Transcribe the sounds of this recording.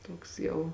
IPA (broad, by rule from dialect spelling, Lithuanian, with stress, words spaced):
ˈtoːks jɛʊ